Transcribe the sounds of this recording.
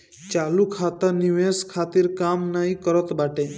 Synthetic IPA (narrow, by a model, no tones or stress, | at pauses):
t͡ʃalukʰat̪əniʋeskʰat̪iɾkamnaɦĩkəɾət̪baʈe